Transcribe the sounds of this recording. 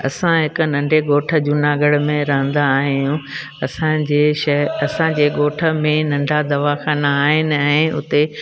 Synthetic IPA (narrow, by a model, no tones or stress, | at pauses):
ɐ̰sãɦɪkʊnɐ̃ɳɖʱeɠoːʈʰə̆d͡ʑʊnaːɡəɽmẽɾɐɦə̃nd̪aːɦijũ | ɐsãd͡ʑeːʃɐɦɐsãd͡ʑeːɠoːʈʰə̆mẽnɐ̃ɳɖʱad̪ɐʋaxaːnaːɦɪnɪ̆ɛ̃ʊ̰t̪e